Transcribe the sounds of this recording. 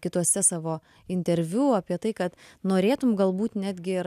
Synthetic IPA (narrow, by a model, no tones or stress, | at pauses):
kʲɪt̪uɔsʲɛsɑːʋoː | ɪnʲt̪ʲɛɾʲʋʲuːɑːpʲiɛt̪ɐɪkɐt̪noːɾʲeːt̪ʊmɡɐlˠbuːt̪nʲæːd̪ʲɡʲɪɪɾ